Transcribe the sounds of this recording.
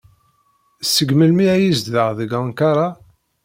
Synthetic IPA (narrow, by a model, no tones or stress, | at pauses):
sːəɡməlmiæjizðəʁðəɡaŋkaɾˤɑ